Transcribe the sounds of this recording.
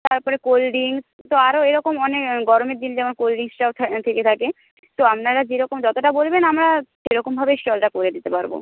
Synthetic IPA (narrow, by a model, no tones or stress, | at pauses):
t̪aɾpɔɾekolɖiŋs | t̪oaɾoeɾɔkomɔnekɡɔɾomeɾd̪ind͡ʑɛmonkolɖiŋsʈaot̪ʰat̪ʰeket̪ʰake | t̪oamnaɾad͡ʑeɾɔkomd͡ʒɔt̪oʈabolbenamɾaʃeɾɔkombʱabeʃʈɔlʈakoɾed̪it̪epaɾbo̰